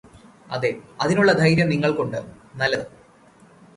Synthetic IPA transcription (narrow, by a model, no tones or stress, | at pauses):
ɐ̰ðeɐðinuɭːɐd̪ʱɐjɾjɐmniŋːɐɭkoɳɖɨnɐlːɐðɨ